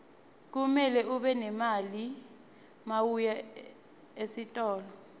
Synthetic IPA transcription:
k̬umɛlɛuɓɛnɛmali | mawuja | esitʼɔːlɔ

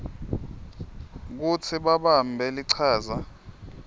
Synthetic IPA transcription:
k̬ut͡sʰiɓaɓambʱɛliǀʰaːza

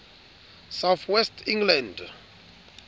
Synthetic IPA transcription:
sawθʰwɛstʰĩŋɡlãnd

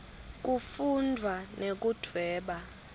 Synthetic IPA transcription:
k̬ufundʱwanek̬ud̥ʰʱwɛːɓa

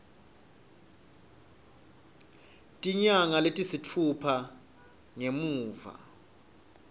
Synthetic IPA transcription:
tʼiɲaŋaletʼisitʰupʰa | ŋemuːva̰

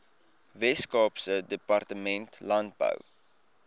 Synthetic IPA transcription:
vɛskɑːpsədəpɐrtəmɛntlɐnt̚bə̰w

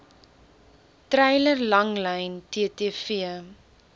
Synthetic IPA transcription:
tɾɛjlərlɐŋlɛjntiətiəfiə

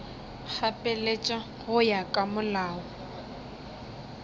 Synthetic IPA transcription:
k͡xʰapʼɛlet͡ʃʼa | ɣʊjakʼamʊlaːɔ

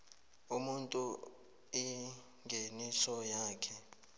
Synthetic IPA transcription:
umuntʼu | ɛ | ŋʱenisɔjaːkʰɛ

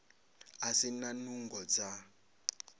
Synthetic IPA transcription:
asinanuŋɡɔd͡za

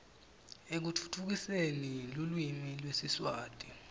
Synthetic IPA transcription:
ek̬ut͡fʰu̥tʰuk̬isenilulwimilwesiswaːtʼi

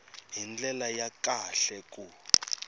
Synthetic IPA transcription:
ɦind͡ɮɛlajakaɬɛkʼu

